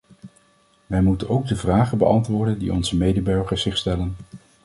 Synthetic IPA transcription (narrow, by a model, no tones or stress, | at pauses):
ʋɛjmutənowɡ̚dəvraːχəbə̰ʔɑntʋʊːɹdəndḭʔɔnzəmejdəbɵɹχəɹz̥ɪχstɛlən